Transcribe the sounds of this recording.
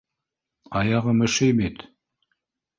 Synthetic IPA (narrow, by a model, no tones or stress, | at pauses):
ɑjɑʁɤmɘ̆ʃɘjbit̪